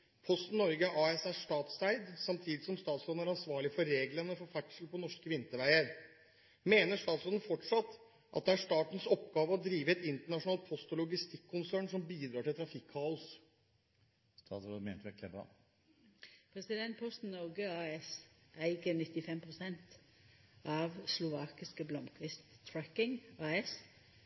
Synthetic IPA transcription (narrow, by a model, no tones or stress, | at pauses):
pʰɔst̪n̩ːɔɾɡəʔɑːɛsæʂt̪ɑːt̪st̪æɪd̪sɑmt̪ʰiːd̪ɪsɔmst̪ɑːt̪sloːd̪næɾɑnsʋɑːɭɪfɔɾɾeːɡlənəfɔɾfæʈʂəl̩pɔnɔʂkəʋɪnt̪əɾʋæɪəɾ | meːnəʂt̪ɑːt̪soːd̪nəfɔʈʂɑt̪ː | ʔɑ̰t̪̚d̪ɛæʂt̪ɑːʈən̩sɔpːɡɑːʋəɔd̪ɾiːʋəɛt̪ɪnt̪əɳɑʂʊnɑːlt̪̚pʰɔst̪lʊɡɪst̪ɪkʰːʊnsæːɳʂɔmbiːd̪ɾɑːʈʰɪlt̪ʰɾɑfɪkʰːɑːʊs | st̪ɑ̰t̪sɾɔmḛnt̪əʋɛkʰlɛbɑ̰ | pʰɾɛsɪd̪ɛnt̪̚pʰɔst̪n̩ːɔɾɡəɑːɛsæɪɡənɪt̪ːɪfɛmpʰʁʊsɛnt̪ | ʔɑʋslʊʋɑːkɪskəblɔmkʰʋɪst̪ʰɾækɪŋɑɛs